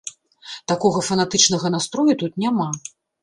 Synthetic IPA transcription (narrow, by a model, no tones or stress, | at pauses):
t̪akɔɣɐfɐnat̪ɨt͡ʂnɐɣɐnast̪ɾɔjut̪ut̪nʲama